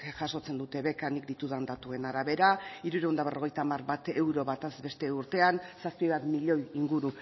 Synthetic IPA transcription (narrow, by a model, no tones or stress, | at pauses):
ʝaso̞t͡se̞nd̪ut̪e̞βe̞kanik̚d̪it̪uðand̪at̪ue̞naɾaβe̞ɾaiɾuɾend̪aβ̞erʔo̞ɣ̞ejt̪aːmarβat̪e̞wɾo̞βat̪azbe̞st̪e̞uɾt̪e̞ansaspiβat̪miʎoiŋɡuɾu